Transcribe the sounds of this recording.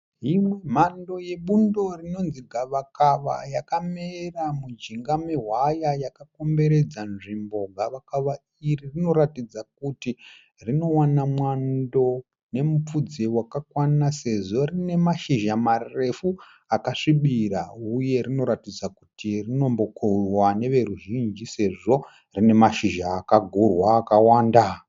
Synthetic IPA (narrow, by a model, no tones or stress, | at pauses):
ɦimwe̞m̤ando̞je̞ɓundo̞rino̞nziɡʱaʋakaʋa̰jakameramud͡ʒiŋɡameɦwajajakako̞mbe̞ɾe̞d͡zanʐimbo̞ɡʱaʋakaʋa | iririno̞ɾatid͡zak̚uti | rino̞wanamwando̞ | ne̞mup͡fud͡zewakakwanase̞ʐo̞rine̞maʃiʒamare̞fu | akaʂiɓiɾauje̞rino̞ɾatid͡zakutirino̞mbo̞kʰoiwane̞ʋe̞ɾuʒind͡ʒise̞ʐo̞ | rine̞maʃiʒaːkaɡʱurwaːkawaːnda